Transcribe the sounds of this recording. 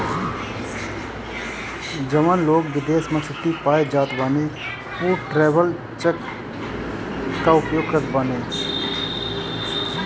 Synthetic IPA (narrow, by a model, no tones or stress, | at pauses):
d͡ʒəʋənloːkʋɪd̪eːsmẽt͡ʃʰʊʈ̪ːipaːed͡ʒaːt̪baːne | puːʈɾeːbəl | t͡ʃek | aʊpjoːɡ̚kət̪bəneː